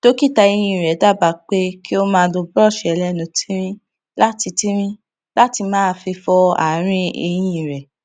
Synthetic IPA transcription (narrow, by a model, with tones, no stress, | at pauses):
to˦ki˦˨ta˧e˧j̃ĩ˨ɾɛ˨˦da˦˨ba˨˦˨k͡pe˦ki˦o˦mãː˦˧˦lo˧bɾɔ˦˨ʃɛ˨˦lɛ˦nũ˨tʰĩ˦ɾ̃ĩ˦ | la˦ti˧tĩ˦ɾ̃ĩ˦ | la˦ti˧mãː˦˧fi˧fɔ˧a̰˨ɾ̃ĩ˧ḛ˧j̃ĩ˨ɾɛ˨